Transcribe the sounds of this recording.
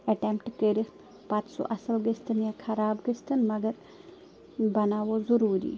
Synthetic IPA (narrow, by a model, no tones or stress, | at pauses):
ɐʈempʈkəɾi | pãːt͡ʃso̰ːʔɐsɐlɡəst̪ɨnjãkʰɐɾaːbɡəst̪ɨnmɐɡɐɾ | bɐnaːʋozuɾuːɾḭː